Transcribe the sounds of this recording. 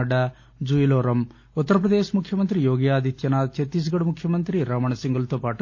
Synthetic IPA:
ɐɖːɐ | d͡ʒuiloːɾɐm | ut̪ːɐɾɐpɾɐd̪eːʃmukʰjɐmɐnt̪ɾijoːɡjaːd̪ʱit̪jɐnaːd̪t͡ʃet̪ːis̬ɡɐɽumukʰjɐmɐnt̪ɾiɾaːmɐɳɐsiŋɡulɐt̪oːpaːʈ

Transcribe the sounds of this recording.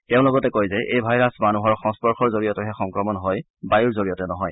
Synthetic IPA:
tɛʊ̃lɔɡɔtɛkojzɛʔejbʱajɹasmanuɦɔɹxɔŋspɔɹxɔɹzoɹijɔtɛɦɛxɔŋkɹɔmɔnɦɔj | bajuɹzoɹijɔtɛnɔɦɔj

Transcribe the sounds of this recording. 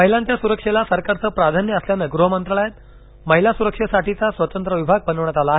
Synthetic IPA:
məɦilãnt̪jasuɾəkʂelasəɾkaɾt͡səːpɾad̪ʱanjəəsljanəɡɾuɦəmənt̪ɾəɭajat̪ | məɦilasuɾəkʂesaʈit͡sasʋət̪ənt̪ɾəʋibʱaɡ̚pənəʋɳat̪alaːɦe

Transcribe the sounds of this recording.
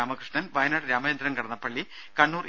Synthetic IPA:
aːmɐkrɨʂɳɐnʋɐjɐnaːɽɾaːmɐjɐnd̪ɾɐnkɐɽɐnːɐpːɐɭːi | kɐɳːuːr

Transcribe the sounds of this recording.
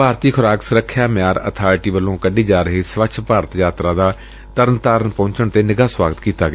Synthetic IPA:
paːɾt̪iːkʰʊɾaːksʊɾəkʰːjaːmɪjaːɾə̰t̪ʰaːɾɪʈiːʋəlːõːkəɖiːd͡ʒaːɾəɦiːsʋəkt͡ʃʰpaːɾət̪jaːt̪ɾaːd̪aː | t̪əɾənt̪aːɾənpõːɲt͡ʃəɳt̪eːnɪɡaːswaːɡət̪kiːt̪aːɡɪaː

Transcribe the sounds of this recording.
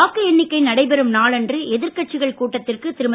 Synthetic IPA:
aːkːɯɛnːɪkːɐɪnɐɽɐɪpɛɾɯmnaːɭɛndrɯɛðɪɾkɐʈ̚t͡ʃɪɣɐɭkuːʈːɐt̪ːɪrkɯt̪ɪɾɯm

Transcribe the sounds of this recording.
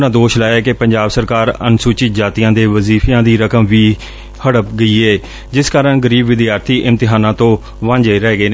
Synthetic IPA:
nãːd̪oːʃlaːjaːkepəɲd͡ʒaːbsəɾkaːɾə̰nsuːt͡ʃɪt̪̚d͡ʒaːt̪ijãːd̪eːʋəziːfjãːd̪iːɾəkəmʋiː | həɽəp̚ɡəiːeː | d͡ʒɪskaːɾəɳɡəɾiːbʋɪd̪ijaːɾt̪ʰiːʔɪnt̪ɪɦaːnãːt̪õː | ʋãɲd͡ʒeɾɛːɡəeːnː

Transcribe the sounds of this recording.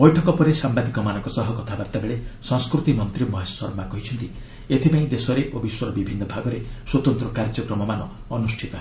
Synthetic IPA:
bɔjʈʰɔkɔpɔɾesambad̪ikɔmanɔ̃ŋkɔsɔɦɔkɔt̪ʰabaɾt̪abeɭesɔŋskɾut̪imɔnt̪ɾimɔɦessɔɾmakɔɦit͡ʃʰɔnt̪i | et̪ʰipaĩd̪esɔɾeʔobiswɔɾɔbibʱinːɔbʱaɡɔɾeswɔt̪ɔnt̪ɾɔkaɾd͡ʒɔkɾɔmɔmanɔː | nusʈʰit̪ɔɦe

